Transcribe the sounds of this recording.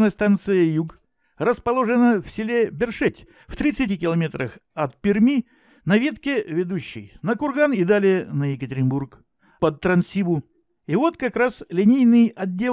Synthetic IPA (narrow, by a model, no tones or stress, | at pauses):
nəjəst̪ant̪sɨjəjuɡ | rəspɐlˠo̞ʐɨnəfsʲɪlʲe̞bʲɪrʂɛtʲ | ft̪ɾʲit̪sɨtʲikʲɪlˠɐmʲe̞t̪ɾəxɐt̪̚pʲɪrmʲi | nɐvʲe̞t̪kʲɪvʲɪd̪uɕːɪ̰jnəkʊrɡanɪd̪alʲɪjənəjɪkətʲɪɾʲɪnburk | pət̪ːɾɐnsʲibʊ | ɪvo̞t̪kɐkɾaslʲɪnʲejnɨjɐdʲːe̞